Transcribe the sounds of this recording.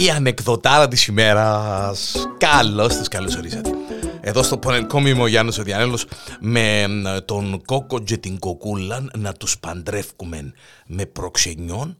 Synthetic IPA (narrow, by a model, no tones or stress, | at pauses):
iɐne̞kðo̞t̪ɐɾɐt̪̬isime̞ɾɐskɐlːost̪iskɐlosoɾisɐt̪ee̞ðo̞st̪o̞poneniko̞mimoʝɐnosoðiɐnelosmet̪o̞nko̞ko̞ɟet̪iŋɡo̞kulːɐnnɐt̪uspɐnd̪ɾe̞fkume̞̰n | me̞pɾo̞kse̞ɲːo̞n